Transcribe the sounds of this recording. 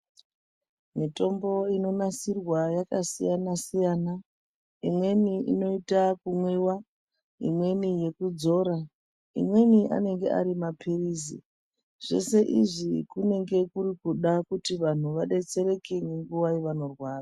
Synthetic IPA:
mito̞mbo̞ino̞nasirwajakasijanasijaːna | imwe̞niḭno̞itakumwewa | ḭmwe̞nije̞kud͡zo̞ːɾa | ḭmwe̞niʔa̰ne̞ŋɡe̞̰a̰ɾimapʰiriːzḭ | ʐ̥o̞̰se̞ʔiʐikune̞ŋɡe̞kuɾikuɗakutiʋan̤uʋaɗe̞t͡se̞ɾe̞keneŋɡuʋaiʋano̞rwaːra

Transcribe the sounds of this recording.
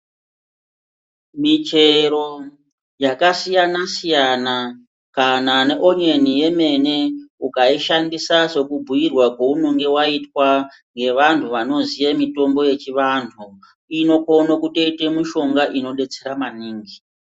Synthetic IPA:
mit͡ʃe̞ɾo̞ | jakasijanasijana | kanane̞ʔo̞ɲenije̞me̞ne̞ukaiʃandisaʐe̞kubʱujirwakouno̞ŋɡe̞waitwa | ŋɡe̞ʋantʰuʋano̞zijemito̞mbo̞je̞t͡ʃiʋantʰu | ino̞konokute̞ite̞miʃo̞ŋɡaʔino̞ɗe̞t͡se̞ɾamaniːŋɡi

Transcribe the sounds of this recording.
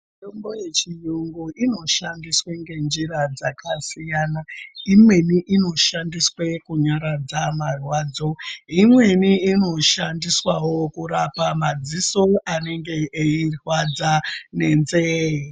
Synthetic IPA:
mitombo̞je̞t͡ʃijuŋɡuʔino̞ʃandisweŋɡe̞nd͡ʒiɾad͡zakʰasijanaimwe̞niʔino̞ʃandiswekuɲaɾad͡zamarwaːd͡zo̞imwe̞niːno̞ʃandiswawo̞kuɾapamad͡ziso̞ane̞ŋɡe̞ːirwad͡zane̞nzeji

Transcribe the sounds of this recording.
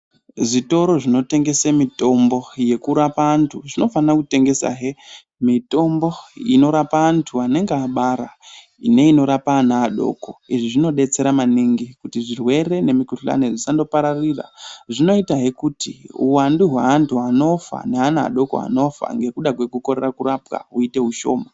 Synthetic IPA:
ʐito̞ɾo̞ʐino̞te̞ŋɡe̞semito̞mbo̞je̞kuɾapaːntʰuʐino̞fanirakute̞ŋɡe̞sa̰ɦe | mito̞mbo̞ino̞ɾapaːntʰuane̞ŋɡeaɓaɾa | ḭne̞ino̞ɾapaːnaːɗo̞̰ko̞iʐiʐino̞ɗe̞t͡se̞ɾamaniŋɡikutiʐirwe̞re̞nemikuɬa̰neʐisando̞paɾarira̰ʐino̞itaɦekutiṵwanduɦweɦantʰuano̞fa̰ne̞ɦanaa̰ɗo̞ko̰a̰no̞fa̰ŋɡe̞kuɗakwe̞kuko̞ɾerakurapka̰ɦuite̞ɦuʃo̞̰ːma

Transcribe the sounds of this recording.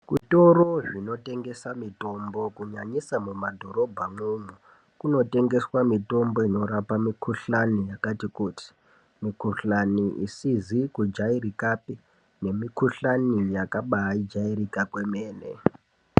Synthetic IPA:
kutoroʐino̞te̞ŋɡe̞samito̞mbo̞kuɲaɲisamumadʱo̞ɾo̞bʱamumu | kuno̞te̞ŋɡe̞swamito̞mbo̞ino̞ɾapamikʰuɬanijakatikuti̥ | mikuɬaniʔḭsizikud͡ʒairikapi | ne̞mikʰuɬanijakaɓaaid͡ʒairikakwemeːnḛ

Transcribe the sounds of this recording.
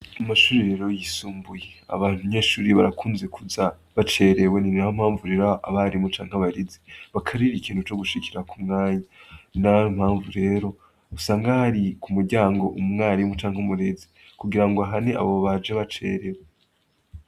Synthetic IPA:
amaʃuːɾiɾe̞ːɾo̞jisuːmbujea̰βaːn̥umɲe̞ːʃuːɾiβaɾakuːnze̞kuza | βat͡ʃe̞ːɾe̞we̞ninaom̥haːɱvuɾe̞ːɾoʔa̰βaɾimut͡ʃaːŋ̥haβaɾizeβakʰaɾiɾikiːn̥hut͡ʃo̞ɡuʃikiɾakumŋaːɲanam̥haːɱvuɾe̞ːɾo̞ | usaːŋɡahaɾikumuɾɟaːŋɡo̞ʔumŋaːɾimut͡ʃaŋ̥umuɾe̞zi̥ | kuɡiɾaŋɡoaɦane̞a̰βoβad͡ʒeβat͡ʃe̞̰ɾe̞we

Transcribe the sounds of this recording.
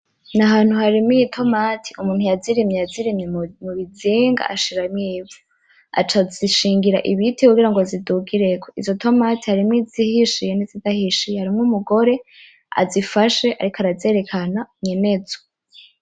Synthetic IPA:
naɦaːn̥huhaɾimijitʰo̞matʰi̥umuːn̥hujaziɾimɲejaziɾimɲemuβiziːŋɡa̰aʃiɾamɲiːvu̥ | a̰t͡ʃaziʃiːŋɡiɾa̰ʔiβitikuɡiɾaŋɡo̞ziduɡiɾe̞ɡoizo̞to̞matihaɾimŋizihiʃijenizidahiʃijhaɾimŋumuɡo̞ɾe̞ | a̰zifaʃe̞ʔa̰ɾikoaɾaze̞ɾe̞kʰanamɲene̞zo

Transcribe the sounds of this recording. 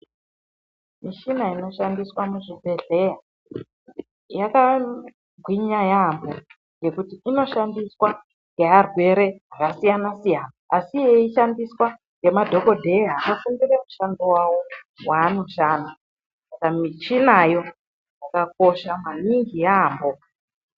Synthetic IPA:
miʃinaino̞ʃandiswamuʐibʱe̞ɮe̞ja | jaka | ɡʱwiɲajambo | ŋɡe̞kutiino̞ʃandiswa | ŋɡe̞arwe̞ɾe̞ɦakasijanasijanaːsijeiʃandiswa | ŋɡe̞madʱo̞ko̞dʱe̞jaaʔafumbiremuʃandowawo̞ | wanuʃaːnu | sakamit͡ʃinajo̞ | jakak̚o̞ʃamaniŋɡijaːmbo̞

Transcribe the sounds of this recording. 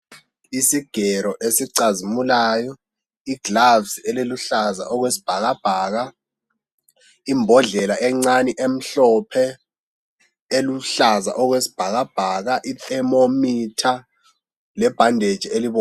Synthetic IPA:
isiɡ̥ʱɛɾɔʔesiǀazimulaːjɔ | iɡ̥lavsɛleluɬaza̰ʔɔɣwesi̥b̥ʱaɣab̥ʱaːɣa | imbʱɔɮɛlaʔɛŋ͡ǀaniʔem̩ɬɔpʰɛ | eluɬaza̰ʔɔɣwesi̥b̥ʱaɣab̥ʱaɣaʔitɛmomitʰa | lɛb̥ʱandʱed̥ʒ̥ʱieliβɔː

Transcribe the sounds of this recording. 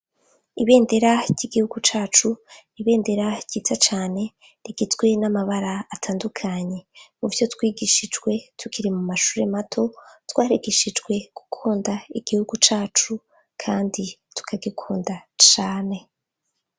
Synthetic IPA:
iβe̞ːnde̞ɾaɟiɡihuɡut͡ʃaːt͡ʃuniβe̞ːnde̞ɾḁɟiːtʰat͡ʃaːne̞ | ɾiɡit͡sɡwe̞namaβaɾaːtʰaːndukʰaɲe̞muvjo̞twiːɡiʃid͡ʒɡwe̞tukʰiɾimumaʃuːɾe̞matʰo̞twaːɾiɡiʃid͡ʒɡwe̞ɡ̥u̥kʰuːndaiɡ̥ihuɡut͡ʃaːt͡ʃu | kʰaːnditu̥kʰaɡikʰuːndat͡ʃaːne̞

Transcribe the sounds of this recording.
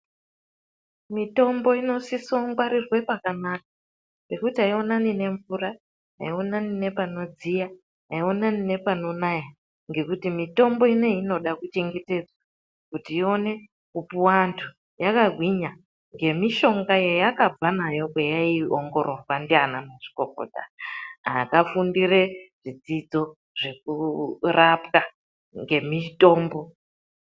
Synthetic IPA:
mito̞mbo̞ino̞sisoŋɡwaɾirwe̞pakanaka | pe̞kutiaio̞nanine̞ɱvura | a̰ionanine̞pano̞d͡zija | aio̞nanine̞pano̞naja | ŋɡe̞kutimito̞mbo̞ine̞ino̞ɗakut͡ʃe̞ŋɡe̞te̞d͡zwa | kutiːo̞ne̞ | kupuwantʰu | jakaɡʱwiɲa | ŋɡe̞miʃo̞ŋɡajejakab͡vanajo̞kwejaioŋɡo̞ɾʔopandianamaʐi̥koko̰ta̰akafundiɾeʐid͡zid͡zo̞ | ʐ̥e̞k̚urapka | ŋɡe̞mito̞ːmbo̞

